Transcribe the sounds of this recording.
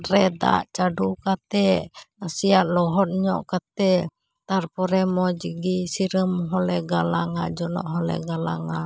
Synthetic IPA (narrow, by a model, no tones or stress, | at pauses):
ɾɛd̪a̰ʔt͡ʃadukat̪ɛasiat̪̚lɔɦɔt̪̚ɲɔ̰ʔkat̪ɛ | t̪arpɔɾɛmɔd͡ʒəɡisiɾəmɦɔlɛɡalaŋad͡ʒɔnɔ̰ʔɦɔlɛ̰ɡalaŋa